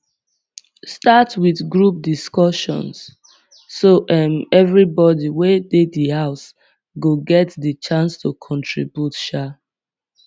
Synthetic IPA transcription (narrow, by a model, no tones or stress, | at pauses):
statwiðɡɹup̚diskɔʃɔ̰̃ns | soʔɛmɛvɹibɔdiwededəhaʊs | ɡoɡɛtdət͡ʃãnstukʰɔ̃ntʰɹḭbjutʃa